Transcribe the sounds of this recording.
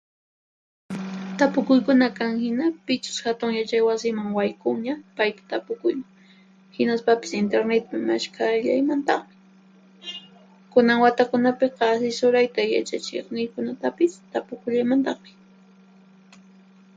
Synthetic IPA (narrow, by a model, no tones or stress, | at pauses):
t̪apʊkʊjkʊnakaŋhɪnapɪt͡ʃʊ̥shat̪ʊŋjat͡ʃajwasɪmaŋwajkʊŋɲapajt̪ḁt̪apʊkʊjmaŋ | hɪnaspapɪ̥sɪnt̪eɾnet̪̚pɪmaʃkʰaʎajmant̪ɑχmɪ̥ | kʊnaŋwat̪akʊnapeqɑasɪsʊɾajt̪aja̰t͡ʃat͡ʃḛχnɪjkʊnat̪apɪst̪apʊkʊʎajmant̪ɑχmɪ